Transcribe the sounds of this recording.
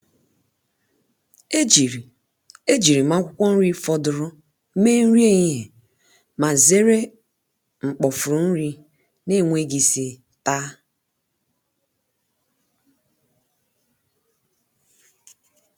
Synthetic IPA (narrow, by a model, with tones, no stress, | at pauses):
e˦d͡ʒi˨ɾi˨ | e˦d͡ʒi˨ɾi˨ma˦kʷʊ˦kʷɔ˦n̩˦ɾi˦fɔ˦dʊ˨ɾʊ˦ | me˦n̩˦ɾi˦e˦ɲi˦ɦe˨ | ma˨ze˦ɾe˦ | ŋ͡m̩˨k͡pɔ˨fʊ˨ɾʊ˨n̩˦ɾi˦ | ne˦˨ŋʷe˦ɡi˨si˨ | ta˦